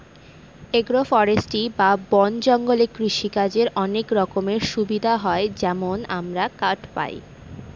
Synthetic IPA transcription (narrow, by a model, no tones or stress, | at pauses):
eɡɾofɔɾesʈibabɔnd͡ʑɔŋɡolekɾiʃikad͡ʑeɾɔnekɾɔkomeɾʃubid̪ʱaɦɔed͡ʑɛmonamɾakaʈpa̰j